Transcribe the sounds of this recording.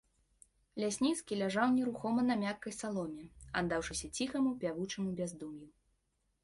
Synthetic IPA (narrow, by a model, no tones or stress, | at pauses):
lʲasʲnʲit̪skʲilʲaʐawnʲɛɾuxɔmɐnɐmʲakːɐjsalˠɔmʲɛa̰d̪ːawʂɨsʲɐt͡sʲixɐmupʲavut͡ʂɐmubʲazd̪umju